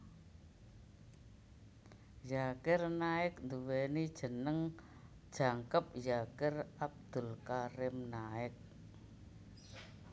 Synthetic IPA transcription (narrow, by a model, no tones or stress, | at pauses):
jakɪrnaɪk̚nd̪uwenid̥ʒ̥ə̤nəŋ | d̥ʒ̥a̤ŋkəp̚jakɪrab̚d̪̥ʊ̤lkaɾɪmnaɪk̚